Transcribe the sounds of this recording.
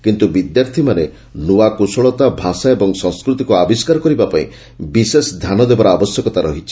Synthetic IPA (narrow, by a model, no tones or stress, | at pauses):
kint̪ubid̪jaɾt̪ʰimane | nuakusɔɭɔt̪abʱasaebɔŋsɔ̃ŋskɾut̪ikuabiskaɾɔkɔɾibapaḭ̃ | bisesd̪ʱjanɔd̪ebaɾɔabɔsjɔkɔt̪aɾɔɦit͡ʃʰi̥